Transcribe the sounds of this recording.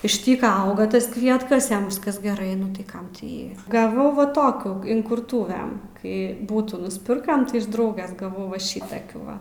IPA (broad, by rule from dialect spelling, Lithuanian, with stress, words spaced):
ɪʃ ˈtʲiːkɐ ˈɐʊɡɐ ˈtɐs ˈkʋʲiɛtkɐs ˈjɛm ˈʋʲɪskɐs ɡʲɛˈrɐɪ nʊ ˈtɐɪ ˈkɐm tʲɪ ˈjiː ɡɐˈʋɐʊ ʋɐ ˈtoːkʲuː ɪŋkʊrˈtʊʋʲɛm kɐɪ ˈbuːtuː nʊsʲˈpʲɪrkɐm tɐɪ ɪʃ ˈdrɐʊɡʲɛs ɡɐˈʋɐʊ ˈʋɐ ˈʃʲɪtɐkʲuː ˈʋɐ